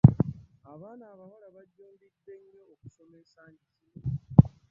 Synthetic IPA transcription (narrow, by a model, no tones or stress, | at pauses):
aβaːnaːβaβalaβaɟːoːndid̪eɲːooku̥so̞mesaɲcʰi